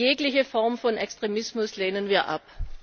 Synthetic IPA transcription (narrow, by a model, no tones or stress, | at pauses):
eːklɪçəfɔɐmfɔnɛkstʁ̥emɪsmʊsleːnənviːɐʔa̰p